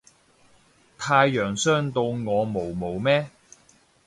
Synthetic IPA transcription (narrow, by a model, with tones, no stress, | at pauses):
t̪ʰaː˧jːœː˨˩ŋsœː˥ŋt̪o˧wŋɔː˨˧mo˨˩wmo˨˩wmɛː˥